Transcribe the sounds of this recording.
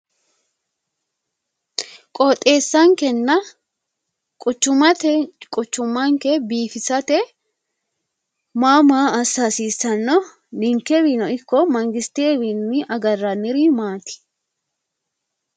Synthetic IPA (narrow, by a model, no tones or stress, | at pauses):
kʼoːt̪ʼe̞ːsːɐŋkɛnːɐ | kʼʊt͡ʃːʊmɐt̪ɛkʼʊt͡ʃːʊmːaŋkɛbiːfɪsɐt̪ɛ | maːmaːɐsasiːsːɐnːɔ | nɪŋkːɛbinɔɪkːɔmɐŋɡɪst̪ebinnɪʔɐɡɐrːɐnɪɾimaːt̪ɪ̥